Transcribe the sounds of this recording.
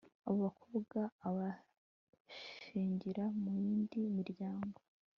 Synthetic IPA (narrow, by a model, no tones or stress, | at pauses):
aβoβakʰoβɡaːβa | ʃiːɲɟiɾamujiːndiːmiɾɟaːŋɡo̞